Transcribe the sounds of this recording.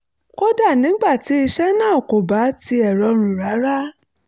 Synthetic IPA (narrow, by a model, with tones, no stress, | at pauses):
kɔ˦da˦˨nĩ˨˦ɡ͡ba˦˨ti˨˦i˧ʃɛ˦nãː˦˨ɔ˨ko˨ba˨˦ti˧ɛ˨ɾɔ˧˦ɾ̃ũ˨ɾa˨˦ɾa˦